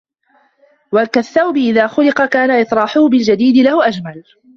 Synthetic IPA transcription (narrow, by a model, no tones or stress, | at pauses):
wakaθːawbɪʔɪðaːxʊlɪqɑkaːnaʔɪt̪ˤɾˤɑːħʊhʊbɪld͡ʒad̪iːd̪ɪlahʊʔad͡ʒmal